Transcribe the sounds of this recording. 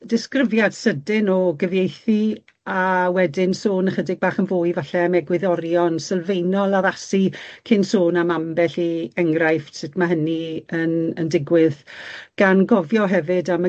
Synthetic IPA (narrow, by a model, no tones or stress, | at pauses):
dɪskrɪvjad̥sədɪnɔɡəvjejθi | awɛdɪnsoːnəχədɪɡ̚baːχənvoːjvaɬɛmɛɡwɪðɔɾjɔnsəlˠvejnɔlˠaðasikʰɪnsoːnamambɛɬiɛŋrajfsɪtʰmaɦəniənəndɪɡwɪðɡ̥anɡɔvjɔɦɛvɨdama